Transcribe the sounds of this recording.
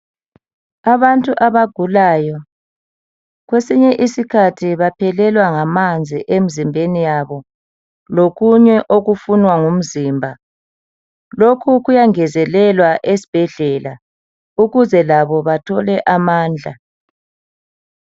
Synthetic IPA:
aβantʼuʔaβaɡ̥ʱulaːjɔ | ɣwesiɲɛʔisikʰatʰiβapʰɛlɛlwaŋamand͡zʱḭʔem̩zimbʱenijaβɔ | loɣuɲɛʔoɣufunwaŋum̩zimbʱa | lokʰuɣujaŋɛzɛlɛlwaʔesi̥b̥ʱɛɮɛla | uɣuzɛlaβɔβatʰɔlɛʔamaːnd͡ɮʱa̰

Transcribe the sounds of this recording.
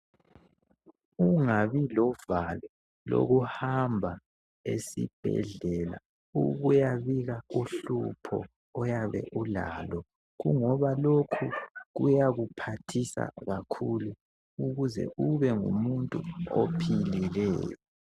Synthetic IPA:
uŋaβilɔvalɔ | lo̰ɣuhambʱa | esḭb̥ʱɛ̰ɮɛla̰ | uɣujaβiɣauɬupʰɔ̰ː | jaβɛ̰ʔula̰lɔ | ɣuŋɔβalokʰuɣujaɣupʰatʰisa̰ɣakʰulu | uɣuzɛ̰ʔuβɛŋṵmuntʼuopʰililɛ̰ːjɔ

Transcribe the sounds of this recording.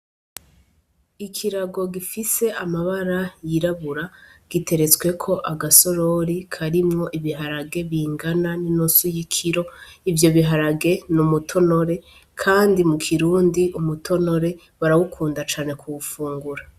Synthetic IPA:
ikʰiɾaɡo̞ɡifise̞ʔamaβaɾajiɾaβuɾaɡ̥ite̞ɾe̞t͡swe̞kʰo̞ʔaɡaso̞ɾo̞ɾikʰaɾimŋo̞ʔiβiɦaɾaɡe̞βiːŋɡananinunsujikʰiɾo̞ivjo̞βiɦaɾaɡe̞numutʰo̞no̞ɾe̞ | kʰaːndimukʰiɾuːndiʔumutʰo̞no̞ɾe̞ | βaɾawukʰuːndat͡ʃaːne̞kʰuβufuːŋɡuɾa

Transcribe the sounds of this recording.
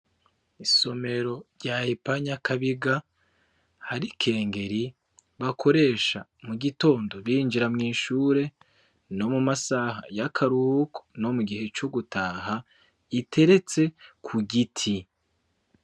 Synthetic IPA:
iso̞me̞ɾo̞ɾɟahepaɲakʰaβiɡa | haɾikʰe̞ːŋɡe̞ɾi | βakʰo̞ɾe̞ːʃa̰muɡito̞ːndo̞βiːnd͡ʒiɾamŋiːʃuːɾe̞ | no̞mumasaɦa̰jakʰaɾuhuko̥no̞muɡihe̞t͡ʃoɡutʰaːɦa | itʰe̞ɾe̞t͡se̞kʰuɡitʰi

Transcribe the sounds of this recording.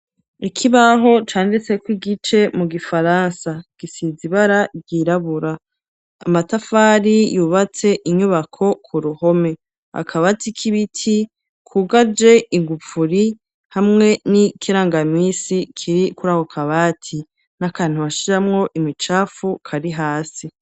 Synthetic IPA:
ikʰiβaɦo̞t͡ʃaːndit͡se̞kwiɡit͡ʃe̞muɡifaɾaːnsaɡ̥isiziβaɾaɟiɾaβuɾa̰ː | matafaːɾijuːβat͡se̞ʔiɲuβakʰo̞kʰuɾuho̞me̞ | a̰kʰaβatikʰiβitʰi | kʰuːɡad͡ʒe̞iŋɡufuɾi | hamŋe̞nikʰiɾaːŋɡamisikʰiɾikuɾaːho̞kʰaβaːtʰi | nakaːn̥huβaʃiɾamŋo̞ʔimit͡ʃaːfukʰaɾiɦaːsi

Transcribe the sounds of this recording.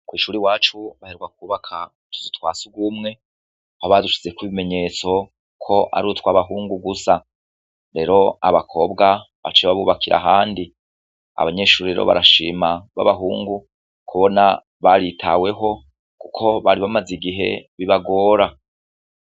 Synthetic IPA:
kwiːʃuːɾiwaːt͡ʃuβaheɾɡwak̚uːβakʰa | tʰu̥zutwaːsuɡumŋe̞ | hoβaduʃi̥t͡se̞kwiβime̞ɲe̞ːt͡so̞ | kʰo̞ʔa̰ɾutwaβaɦuːŋɡuɡusa | ɾe̞ːɾo̞a̰βakʰo̞bɡa | βa̰t͡ʃeβaβuːβakʰiɾʔa̰ɦaːndi | a̰βaɲe̞ːʃuːɾiɾeɾoβa̰ɾaʃiːmaβa̰βaɦuːŋɡu | kʰuβo̞na | βaɾitʰa̰we̞ɦo̞ | kukʰo̞βaɾiβamaziɡiɦe̞̰βiβaɡo̞ːɾa

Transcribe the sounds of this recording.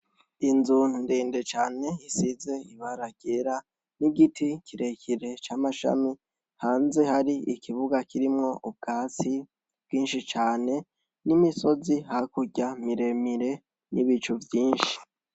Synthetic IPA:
inzunndeːndet͡ʃaːne̞jisize̞iβaɾaɡ̥eɾa | niɡitikʰiɾe̞kʰiɾe̞t͡ʃaːmaʃa̰mi | haːnze̞haɾiʔikʰiβuɡakʰiɾimŋo̞ʔub̚ɡ̥aːt͡si | b̥ɡiːnʃit͡ʃaːne̞ | nimiso̞zihakuɟamiɾe̞miɾe̞ | niβit͡ʃuvjiːnʃi̥

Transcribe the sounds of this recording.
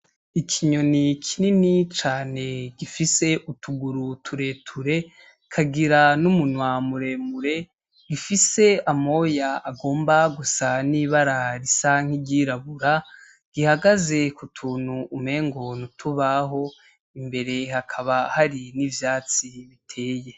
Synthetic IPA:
ikʰiɲo̞nikʰininit͡ʃaːne̞ɡifise̞ʔutʰuɡuɾutʰuɾe̞tʰuɾe̞ | kʰaɡiɾanumunwamuɾe̞muɾe̞ | ɡ̥ifise̞amo̞jaaɡo̞ːmbaɡusaniβaɾaɾisaŋ̥hiɟiːɾaβuɾa | ɡ̥ihaɡaze̞kutʰuːn̥huːme̞ːŋɡo̞nutʰuβaɦo̞ | imbe̞ɾe̞hakʰaβahaɾinivjaːt͡siβitʰe̞ːje̞

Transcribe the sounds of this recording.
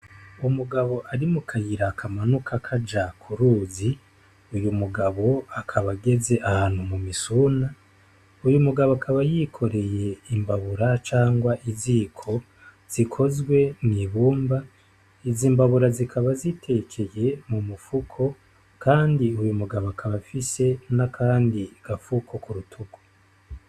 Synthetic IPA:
umuɡaβo̞ʔaɾimukʰajiɾakʰamanukʰakʰad͡ʒakʰuɾuːzi | ujumuɡaβo̞akʰaβaɡe̞ze̞ʔahaːn̥humumisuna | ujumuɡaβoakʰaβajikʰo̞ɾe̞je̞imbaβuɾat͡ʃaːŋɡwaʔizikʰo̞ | z̥ikʰo̞zɡwe̞mŋiβuːmba | iziːmbaβuɾazikʰaβazitʰe̞kʰe̞je̞mumufukʰo̞ | kaːndiujumuɡaβoakʰaβafise̞nakʰaːndiɡ̥afukʰo̞kʰuɾutʰuɡo̥

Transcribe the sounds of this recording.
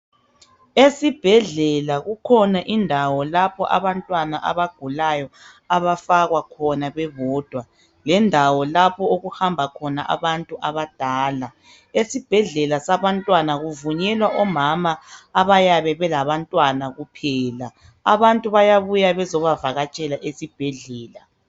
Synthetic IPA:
esib̥ʱɛɮɛlaɣukʰɔnaʔindʱawɔlapʰɔʔa̰βantʼwanaʔa̰βaɡ̥ʱulajɔ | aβafaɣwakʰɔnaβɛβɔːd̥ʱwa | lɛndʱawɔlapʰɔoɣuhambʱakʰɔnaʔa̰βantʼuʔaβad̥ʱaːla | esib̥ʱɛɮɛlasaβantʼwanaɣuvuɲɛlwaʔɔmamaːβajaβɛβɛlaβantʼwanaɣupʰɛːla | a̰βantʼuβajaβujaβɛzɔβavaɣat͡ʃʼɛlaʔesib̥ʱɛɮɛːla

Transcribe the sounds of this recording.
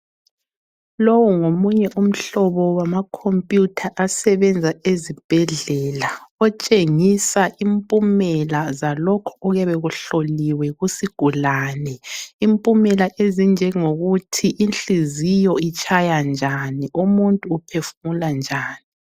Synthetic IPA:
lowuŋomuɲɛʔum̩ɬɔβɔwamakʰompʼjutʰaʔasɛβɛnd͡zʱaezib̥ʱɛɮɛlaɔt͡ʃʼeŋisaʔimpʼumɛlazalɔkʰɔɔɣɛβɛɣuɬoliwɛɣusiɡ̥ʱulaːnɛimpʼumɛlaʔezind͡ʒʱɛŋoɣutʰiʔinɬizijɔit͡ʃʰʼajand͡ʒʱaniʔumuntʼuːpʰefumuland͡ʒʱaːni

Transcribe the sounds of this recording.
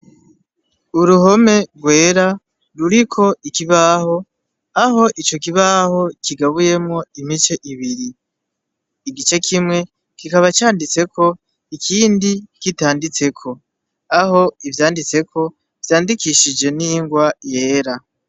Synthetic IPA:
uɾuɦo̞me̞ɾɡwe̞ːɾa | ɾuɾikʰo̞ikiβaho̞ | aɦo̞ʔit͡ʃo̞k̬iβaho̞kʰiɡaβuje̞mŋo̞imit͡ʃeʔiβiɾi | ɡit͡ʃe̞kʰimŋe̞ | kikaβat͡ʃaːndit͡se̞kʰo̞ | ikʰiːndikitaːndit͡se̞kʰo̞ | aɦo̞ivjaːndit͡se̞kʰo̞ | v̥jaːndikiʃid͡ʒe̞niːŋɡwaje̞ːɾa

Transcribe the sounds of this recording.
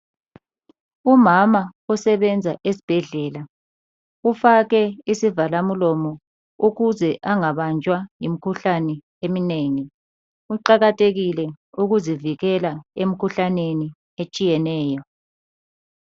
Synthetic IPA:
umamausɛβɛnd͡zʱaʔesi̥b̥ʱɛɮɛːla | ufaɣɛisivalamulɔmɔ | uɣuzɛʔaŋaβand͡ʒʱʼwajimikʰuɬanɛ | emineŋi | uǃaɣatʰʼeɣilɛ | uɣuziviɣɛlaem̩kʰuɬaneni | et͡ʃʼijɛnɛːjɔ

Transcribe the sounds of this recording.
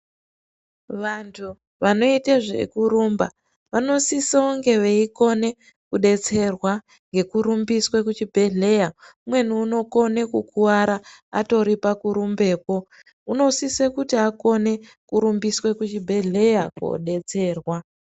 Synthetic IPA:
ʋantʰu | ʋano̞iteʐḛkuɾumba | ʋano̞sisaoŋɡe̞ʋeiko̞ne̞ | kuɗe̞t͡se̞rwa | ŋɡe̞kuɾumbiswekut͡ʃibʱe̞ɮe̞jaumwe̞nuːno̞ko̞ne̞kukʰuwaɾaa̰to̞ɾipakuɾumbe̞ːko̞ | uno̞sisekutiako̞ne̞ | kuɾumbiswe̞kut͡ʃibʱe̞ɮe̞jako̰ɗe̞t͡se̞ːrwa

